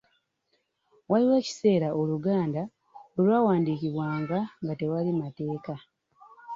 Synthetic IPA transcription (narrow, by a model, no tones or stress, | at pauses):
waliwe̞ːci̥se̞ːɾaʔoluɡaːnda | olwaːwaːndiːciβwaːŋɡaŋɡate̞walimate̞ːka